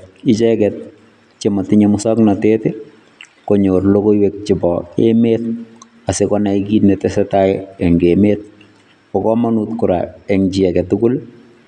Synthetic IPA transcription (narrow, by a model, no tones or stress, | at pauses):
ɪt͡ʃɛkɛt̚ | t͡ʃematɪɲɛmʊsɔknateːtɛ | koɲorlokoiwek̚t͡ʃɪbɔḛmeːt̚ | asekɔnaikiːtnɛtɛsɛtaɛŋɡeːmeːt̚ | pɔkɔmanutkʊɾa̰ɛŋt͡ʃiɛkɛtukʊl